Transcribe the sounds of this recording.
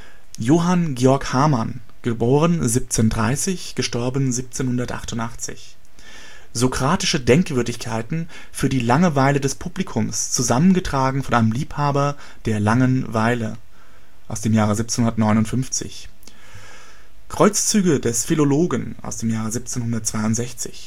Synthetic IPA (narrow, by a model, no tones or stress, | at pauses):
joːɦanɡeːɔɐkhaɐman | ɡ̥əboːʁ̞ənzip̚t͡seːndʁaɪsɪçɡ̥əʃtɔɐbən̩ziːp̚t͡seːnhʊndɐtʔa̰χtʊntʔaχt͡sɪ̰ç | zokʁ̥aːtɪʃədɛŋkv̥ʏɐdɪçkʰaɪtn̩ | fyːɐdiːlaŋəvaɪlədɛspʰublikʰʊmst͡suzamənɡətʁ̥aːɡŋ̩fɔnʔaɪnəmliːphaːbɐ | d̥eːɐlaŋənvaɪlə | ʔaʊsd̥eːmjaːʁəziːp̚t͡senhʊnɐtnɔʏnʊntfʏnft͡sɪ̰ç | kʁ̥ɔʏt͡st͡syːɡədɛsfiloloːɡənʔa̰ʊsd̥eːmjaːʁəzip̚t͡seːnhʊndɐtt͡sv̥aɪʊntz̥ɛçt͡sɪç